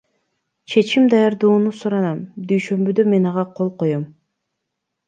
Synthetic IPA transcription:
t͡ʃʰe̞t͡ʃimd̪ɑjɑɾd̪uːnusuɾɑnɑmd̪yjʃø̞mbyd̪øme̞nɑʁɑqʰo̞lˠqo̞jom

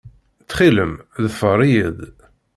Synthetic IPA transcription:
t͡sːχiləmðəfərˤijəð

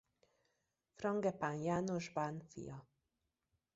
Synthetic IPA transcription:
frɒŋɡɛpanjaːnoʒbanfḭjɒ

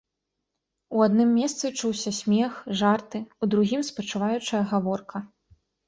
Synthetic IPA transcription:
uad̪nɨmːʲɛst̪sɨt͡ʂuwsʲɐsʲmʲɛxʐart̪ɨud̪ɾuɣʲimspɐt͡ʂɨvajut͡ʂɐjɐɣavɔrkʰɐ

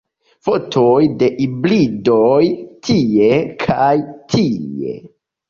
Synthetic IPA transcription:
fotʰojde̞ʔiblidojtʰie̞kʰajtʰiḛ

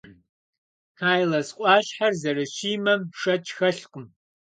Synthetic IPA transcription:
aːjlɐsqʷʼɑːɕħarzɐrɨɕiːmɐmʂɐt͡ʃʰʼxɐɬqʼəm

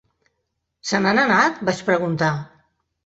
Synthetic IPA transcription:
sənananat̪bat͡ʃpɾəɣunt̪a

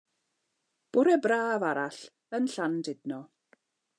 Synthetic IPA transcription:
b̥ʊɾɛbraːvaɾaɬ | ənɬandɪdnɔ

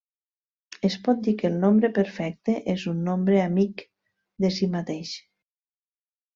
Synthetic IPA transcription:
espɔt̪̚d̪ikelˠnombɾepeɾfɛk̚t̪eʔezunːombɾeamik | d̪esimat̪eʃ

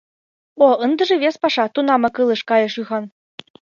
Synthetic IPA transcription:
oɤnd̪ɤ̆ʒĕβespɑʃɑt̪unɑmɤ̆kɤlˠɤ̆ʃkɑjɤ̆ʃyɣɑn

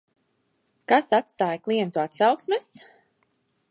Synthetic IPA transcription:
kasat̪st̪aːjklˠiɛnt̪uat̪sawksmɛs

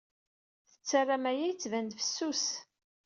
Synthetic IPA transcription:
θə̥t͡sːarːamæjæjt͡sːvænd̪fə̥sːus

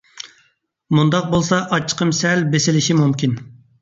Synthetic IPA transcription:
mund̪ɑq̚bolˠsɑʔɑt͡ʃʰːə̥qʰəmsɛlbesɪlɪʃimumkʲin

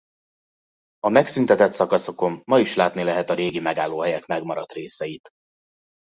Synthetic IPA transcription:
ɒmɛksynt̪ɛt̪ɛt̪sɒkɒso̞ko̞mːɒiʃlaːt̪nilɛɦɛt̪ɒɾeːɡimɛɡaːlːoːɦɛjɛkmɛɡmɒɾɒt̪reːsɛjit̪

